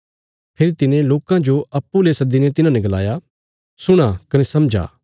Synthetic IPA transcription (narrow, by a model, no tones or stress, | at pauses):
pʰeɾit̪ɪnẽloːkãd͡ʒoɐpːulesɐd̪inɛt̪ɪnãnɛ̃ɡɐla̰ːja | sʊɽ̃akɐnɛsɐmd͡ʒa̰ː